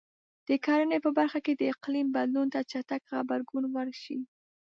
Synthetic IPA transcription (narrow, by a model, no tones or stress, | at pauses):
d̪̥əkɑɾənepəbaɾxaked̪əɪqlimbad̪lunt̪at͡ʃat̪akxabaɾɡunwəɾʃi